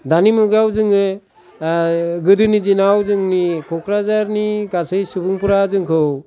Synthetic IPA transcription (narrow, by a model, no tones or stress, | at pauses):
danimɔɡawzɯŋɯ | ɡɯdɯnidinawzɯŋnikʰɔkʰɾazaɾniɡasɯjsubuŋpuɾazɯŋkʰɯw